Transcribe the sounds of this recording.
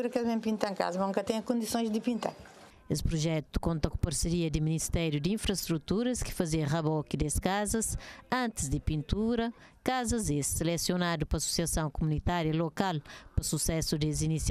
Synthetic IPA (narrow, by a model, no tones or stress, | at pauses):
uɾɐkɛlmẽpĩnt̪ãka̰zɐmũkɐt̪ɛ̃j̃ɐkõnd̪isõj̃ʒd̪ɨpĩnt̪a̰ɾ | espɾuʒɛt̪u̥kõnt̪ɐkũpɐɾseɾiɐd̪iminist̪ɛɾjud̪ĩfɾɐʃt̪ɾut̪uɾɐski̥fɐziɐʁɐβɔkid̪eskazɐsɐ̃nt̪izd̪ipĩnt̪uɾɐ | kazɐzesːilɛsjonad̪upɐsu̥siɐsɐ̃w̃kumunit̪aɾjɐlokalpɐsusɛsud̪ezinis